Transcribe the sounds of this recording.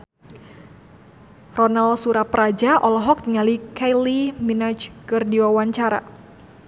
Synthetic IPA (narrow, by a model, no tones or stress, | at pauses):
rɔnalsuɾapɾad͡ʒaʔɔlɔɦɔk̚ŋalikajliminat͡ʃkɨrdiwawaɲt͡ʃaɾa̰